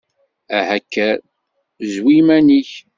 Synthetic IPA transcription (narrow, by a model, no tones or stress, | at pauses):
æhækːæ | zwimæniç